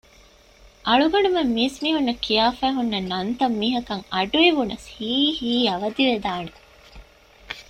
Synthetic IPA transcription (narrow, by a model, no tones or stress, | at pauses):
ʔɐɭuɡɐnumemːiːsmiːɦunːɐkijaːfæːɦunːɐnɐnt̪ɐmːiːɦɐkɐŋɐɖuiʋunɐshiːhiːɐʋɐd̪iʋed̪aːne